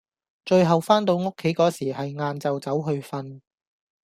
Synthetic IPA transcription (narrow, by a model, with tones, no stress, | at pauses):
t͡ʃɵ˧ɥɦɐ˨wfaː˥nt̪o˧wŋo˥kʰːe˨˥jkɔː˨˥siː˨˩hɐ˨jŋaː˧nt͡sɐ˨wt͡sɐ˨˥wɦɵ˧ɥfɐ˧n